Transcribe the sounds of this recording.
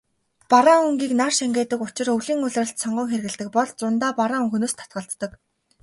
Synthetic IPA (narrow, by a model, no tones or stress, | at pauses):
paɾaːuŋɡiːknarʃæŋɡʲeːt̪ə̆kʊt͡ɕɪ̆rɵɮiːŋʊɮrə̆ɬt̪sɔɴɢɞ̆ŋxerɣɘ̆ɮt̪ɘ̆k̚pɔɮt͡sʊnt̪aːpaɾaːŋuŋxɵnoːst̪ʰḁt̪̚ɢə̆ɬt̪ːə̆k